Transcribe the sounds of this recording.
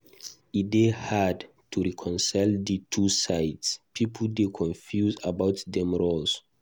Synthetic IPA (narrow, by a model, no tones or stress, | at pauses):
idehad | tʰuɹikʰɔ̃nsajldətʰusajtspʰipʰldekʰɔ̃nfjuzabawtdɛ̃mɹols